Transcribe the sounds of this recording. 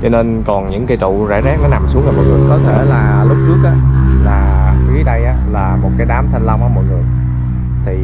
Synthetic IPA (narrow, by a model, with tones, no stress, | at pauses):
t͡ɕɔ˧ne˧nkɔ˨˩nɲɨ̰˧˥ŋkə˧jt̪ʊ̰˧˨zaː˧˩zaː˦˥k̚nɔː˨˦jna˨˩msu˨˦ŋt͡ɕa˧˩mɔ̰˧˨˩jŋɨ˨˩əjkɔ˨˦t̪ʰe˧˩laː˨˩lʊ˦˥p̚t͡ɕɨ˦˥ək̚ʔaː˨˧˦laː˨˩kɨ˨˦ɗə˧jʔaː˨˦laː˨˩mo˨˩t̚kaː˨˦jɗaː˨˦mt̪ʰa˧jŋ̟la˧wŋ͡mʔaː˧˦mɔ̰˧˨j̚ŋɨ˨˩əj | t̪ʰi˨˩